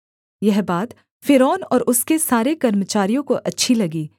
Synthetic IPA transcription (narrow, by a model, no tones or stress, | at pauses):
jɛɦbaːd̪ | fɪɾɔːnɔːɾʊskesaːɾekɐɾmət͡ʃaːɾijõkoʔɐtːʃʰilɐɡiː